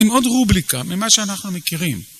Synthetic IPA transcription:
meo̞dʁublikamimaʃeanaχnumekiʁim

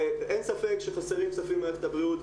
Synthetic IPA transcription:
ensafe̞kʃeχoseʁimksafimaft̪abʁiut̪

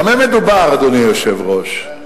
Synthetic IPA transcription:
amemed̪ubaʁad̪onijoʃevʁoʃ

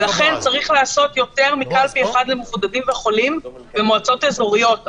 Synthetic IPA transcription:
laχe̞nt͡saʁiχleaso̞tjo̞te̞ʁmikalpieχadlemefd̪adimveχo̞lim | vemoat͡so̞tezoʁijo̞t

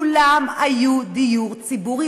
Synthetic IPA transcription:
lamajud̪ijuʁt͡sibuʁi

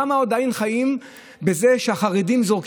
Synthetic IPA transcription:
amaod̪ainχajim | bezeʃeaχaʁedimzo̞ʁk

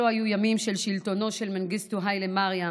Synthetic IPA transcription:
oajujamimʃelʃilt̪o̞no̞ʃelmenɡist̪uɦajlemaʁja

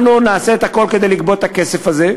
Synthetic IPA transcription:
nunaːseet̪ako̞lked̪ejlik̚bo̞t̪akesefaze

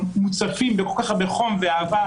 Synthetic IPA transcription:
mut͡safimbeko̞lkaχbeχo̞mveaːva

